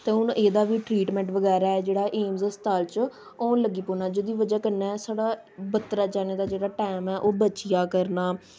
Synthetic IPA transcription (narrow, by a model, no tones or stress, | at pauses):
t̪eːʊnʔeːd̪aːʋiːʈɾiːʈmɛ̃ːɳʈʋəɡɛːɾaːɛːd͡ʒeːɽaːʔeːmzəst̪aːlt͡ʃ | õːləɡiːpoːnaːd͡ʒoːd̪iːʋəd͡ʒaːkəɾnɛːsaːɽaː | bət̪ːɾaːt͡ʃaːneːd̪aːd͡ʒeːɽaːʈɛːmɛːʔoːbət͡ʃɪjaːkəɾnaː